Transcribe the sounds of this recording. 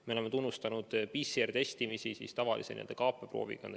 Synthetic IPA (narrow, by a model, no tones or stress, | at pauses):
meleme̞t̪unːust̪ɑnud̪̥pisert̪e̞st̪imisisḭst̪ɑvɑlʔḭsenḭld̪ekɑːpːˑepro̰ːvḭɡ̥ɑ̰n